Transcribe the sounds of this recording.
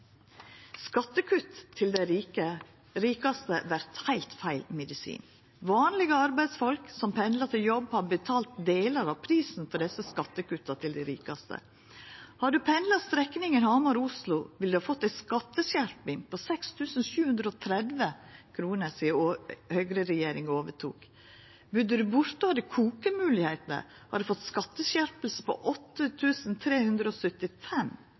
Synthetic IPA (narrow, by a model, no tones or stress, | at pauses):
skɑt̪ːəkʰʉt̪ʰːɪld̪ɛə | ɾiːkɑst̪əʋæɾt̪hæɪlt̪fæɪlmɛd̪ɪsḭːn | ʋɑːnlɪɡəɑɾbæɪd̪sfɔlksɔmpʰɛnd̪lɑt̪ʰɪljɔbhɑɾbət̪ʰɑːlt̪̚d̪eːləɾɑʋpʰɾiːsn̩fɔɖɛsəskɑt̪ːəkʉt̪ːɑt̪ʰɪld̪æɪɾiːkɑst̪ə̰ | hɑɖʉpʰɛnd̪lɑst̪ɾɛknɪŋənhɑmɑɾʊslʊʋɪld̪ʉhɑːfɔt̪ːæɪskɑt̪ːəsæɾpɪŋposɛkst̪ʰʉːsn̩ʃʉːhʉnd̪ɾəoːt̪ʰɾɛd̪ʋəkʰɾuːnəɾsɪhœʏɡɾəɾɛjeːɾɪŋoːʋəʈʰṵːk | bʉd̪ːəd̪ʉbʊɾt̪ohɑːd̪ɛkʰuːkəmʉːlɪheːt̪nə̰ɾ | hɑ̰ɖ̪ʉfɔt̪ːskɑt̪ːəɕæɾpəl̩səpʰo̰ʔɔt̪ːət̪ʰʉːsn̩t̪ʰɾeːhʉnd̪ɾəɔsœt̪ɪfɛm